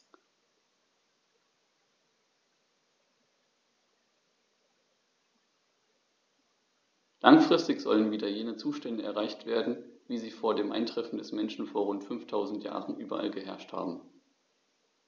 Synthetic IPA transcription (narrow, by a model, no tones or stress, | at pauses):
laŋfʁ̥ɪstɪçz̥ɔ̰lənviːdɐjeːnət͡suːʃtɛndəʔɛ̰ɐʁaɪçtv̥eːɐdn̩viːziːfoːɐdeːmʔa̰ɪntʁ̥ɛfn̩dɛsmɛnʃn̩foːɐʁʊntfʏnftʰaʊzn̩tja̰ːʁənʔyːbɐ̰ʔa̰lɡəɦɛɐʃtha̰ːbm̩